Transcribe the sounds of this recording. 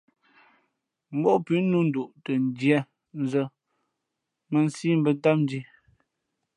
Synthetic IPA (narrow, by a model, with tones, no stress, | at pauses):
m̩˦bɔ˦ʔpʉ˨˦nu˦n̩˦du˨ʔtə˨n˨djɛ˦ | n˦zə˦ | mə˨n̩˦siː˦m̩˦bə˦˨n˦ta˦p̚n̩˦di˦